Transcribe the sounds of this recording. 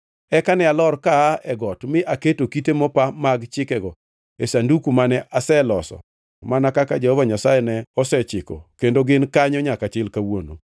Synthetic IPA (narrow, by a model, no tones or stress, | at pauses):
ɛkanɛalɔrkaɛɡɔtmɪʔaketokitemɔpamaɡt͡ʃɪkɛɡɔ | esandukumanɛʔasɛlɔsɔ̰ | manakakad͡ʒehɔvaɲasajɛnɛɔsɛt͡ʃɪko̰kendoɡɪnkaɲɔɲakat͡ʃɪlkawono̰